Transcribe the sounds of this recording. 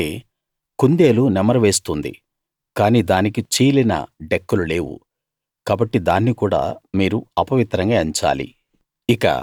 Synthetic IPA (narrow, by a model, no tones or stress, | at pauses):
eː | kund̪e̞ːlunɛmɐɾɐʋe̞ːst̪und̪ḭ | kaːniːd̪aːnikit͡ʃiːlinɐ̰ɖekːulule̞ːʋṵ | kaːbɐʈːid̪aːnːikuːɽa̰ːmiːɾuɐpɐʋit̪ɾɐŋɡaːɐɲt͡ʃa̰ːlḭ | ikɐ̰